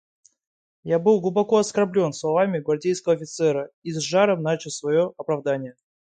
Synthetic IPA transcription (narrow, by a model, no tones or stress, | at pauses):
jabɨlˠɡlˠʊbɐko̞ɐskɐrblʲo̞nslˠɐvamʲɪɡvɐrdʲejskəvəːfʲɪt̪sɛɾəizʐaɾəmnat͡ɕɪlˠsvɐjo̞ʔɐpɾɐvd̪anʲɪjə